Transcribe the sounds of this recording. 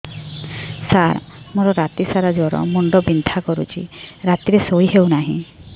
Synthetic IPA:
saɾmoɾɔɾat̪isaɾad͡ʒɔɾɔ̰muɳɖɔbind̪ʱakɔɾṵt͡ʃʰḭɾat̪iɾesojɦewnaɦĩ

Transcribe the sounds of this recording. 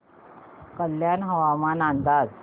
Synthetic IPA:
kəljanɦəʋamanand̪ad͡z

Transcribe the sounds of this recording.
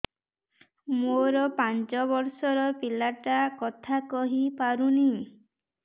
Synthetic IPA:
moɾɔpant͡ʃɔβɔɾsɔɾɔpilaʈakɔt̪ʰakɔɦipaɾuni

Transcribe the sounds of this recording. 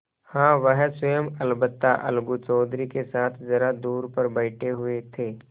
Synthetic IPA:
hãːʋəɦsəjəmɐlbət̪ːaʔɐ̰lɡut͡ʃɔːd̪ɾikesaːt̪ʰzɐɾad̪uːɾpɐɾbɐɪʈʰeɦʊet̪ʰeː

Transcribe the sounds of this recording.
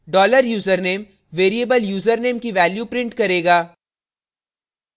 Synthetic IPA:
ɖɔːləɾjuːzəɾneːm | ʋeːɾieːbəljuːzəɾneːmkiʋɛːljupɾɪ̃ɳʈkɐɾeːɡaː

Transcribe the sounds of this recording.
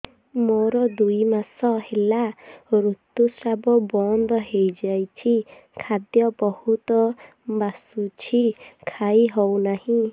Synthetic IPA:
moɾɔd̪ujmasɔhelaɾut̪ːusɾabɔbɔnd̪ɔɦejd͡ʒajt͡ʃʰikʰad̪jɔbɔhut̪ɔ | basut͡ʃʰikʰajɦɔwnahĩ

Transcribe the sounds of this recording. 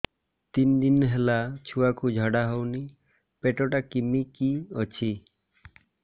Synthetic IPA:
t̪ind̪inɦelat͡ʃʰuakud͡ʒʱɔɽaɦowni | peʈɔʈakimikiɔt͡ʃʰi

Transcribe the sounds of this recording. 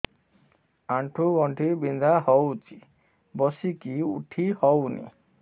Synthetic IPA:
aɳʈʰuɡɔɳʈʰiɾbind̪ahɔwt͡ʃi | bɔsikiṵʈʰihɔwnḭ

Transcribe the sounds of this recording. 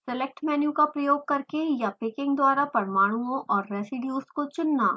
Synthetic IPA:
sɛlek̚ʈmɛːnjukapɾɐjoːɡ̚kɐɾkejapɪkɪ̃ŋɡd̪waːɾapɐɾmaːɽ̃uõʔɔːɾːɛːsɪɖjũskot͡ʃʊnːaː

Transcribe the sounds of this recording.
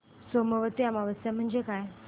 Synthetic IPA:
soməʋət̪iamaʋəsjam̤əɳd͡ʑekaj

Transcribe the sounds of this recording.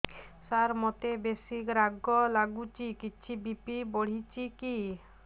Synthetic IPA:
saɾmɔt̪ebesikɾaɡːolaɡut͡ɕikiːɕʰibipiboɽ̤it͡ɕiki

